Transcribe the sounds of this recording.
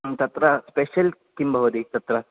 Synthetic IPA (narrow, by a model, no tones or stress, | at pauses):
t̪ɐt̪ɾɐspeːʃɐlkimbʱɐʋɐd̪it̪ɐt̪ɾɐ